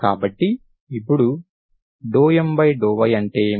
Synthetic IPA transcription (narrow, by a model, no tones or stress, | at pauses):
ka̰ːbɐʈːi | ipːuɽu | ɖɔːjɐmbɐjɖɔːʋɐjɐɳʈeː